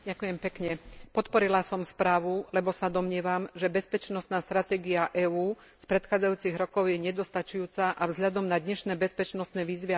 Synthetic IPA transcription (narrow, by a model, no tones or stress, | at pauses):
ɟakujɛmpɛkɲɛpɔt̪pɔɾilasɔmspɾaːʋulɛbɔsad̪ɔmɲɪɛʋamʒɛbɛspɛt͡ʃnɔst̪naːst̪ɾat̪ɛːɡiaʔɛːuː | spɾɛt̪xaːd͡zajuːt͡siɣɾɔkɔʊjɛɲɛd̪ɔst̪at͡ʃujuːt͡saʔavzɦʎad̪ɔmnad̪ɲɛʃnɛːbɛspɛt͡ʃnɔst̪nɛːʋiːzʋi